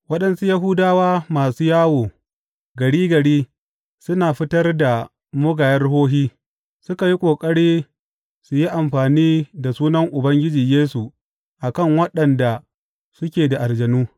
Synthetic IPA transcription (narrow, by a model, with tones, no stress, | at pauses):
wɐ˦ɗɐ˦nsu˦jɐ˦ɦʊ˦daː˦waː˦maː˨suː˦jaː˦woː˨ | ɡɐ˨ɽiː˦ɡɐ˨ɽiː˦ | sʊ˦naː˨ɸɪ˦tɐ˦rda˨ | mʊ˦ɡaː˨jɐ˦rɦoː˦ɦiː˦ | sʊ˦ka˨ji˦kʷʼoː˨kʼɐ˦ɽiː˦ | su˨ji˦ʔa˨mɸaː˨niː˦da˨suː˦nɐ˦ŋʔʊ˨bɐ˦ŋɡʲɪ˦d͡ʒiː˨jeː˦su˨ | ʔa˨kɐ˦˨ŋwɐ˦ɗɐ˨nda˨ | sʊ˦kʲeː˨da˨ʔa˨rd͡ʒɐ˨nuː˦